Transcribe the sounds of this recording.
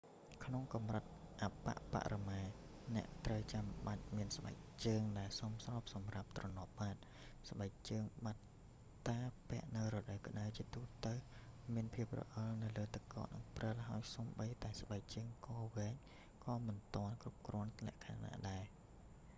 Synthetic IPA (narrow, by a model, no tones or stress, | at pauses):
kʰnoŋkɑmrɨt̪̚ʔapːa̰ʔpa̰ʔramaː | nɛ̆əʔt̪rəwt͡ɕamɓac̚miənsɓa̰k̚t͡ɕəːŋɗaɛlsomsrɑːp̚sɑmrap̚t̪rɑnŏəp̚ɓaːt̪̚ | sɓak̚t͡ɕəːŋɓat̪̚ | t̪aːpɛ̆əʔnɨwrɔɗəwkə̆ɗəwt͡ɕiət̪uːt̪əwmiənpʰiəp̚rɔ̰ʔɑlnɨwləːt̪ɨkːɑ̰ːt̪̚nɨ̰ŋprəlɦaəjsomɓəjt̪aɛsɓak̚t͡ɕəːŋkɑːʋɛːɲ | kɑːmɨnt̪oənkrup̚krɔ̆ənt̪ʰlɛ̆əʔkʰa̰ːna̰ːɗaɛ